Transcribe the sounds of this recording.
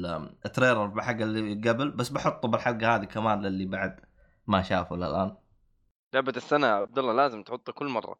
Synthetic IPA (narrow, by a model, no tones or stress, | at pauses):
ʔɪt̪ɾeːɾɑɾˤbɪlħaɡːalːiɡabɪlbasːbaħʊt̪ˤːubɪlħaɡahaːðikamaːnlɪlːibaʕd̪ | maʃaːfula̰lʔaːn | laʕbat̪ɪsːanaʕab̚d̪ɑlːɑlaːzɪmt̪ħʊt̪ˤːukʊlːmɑ̰rˤːɑ̰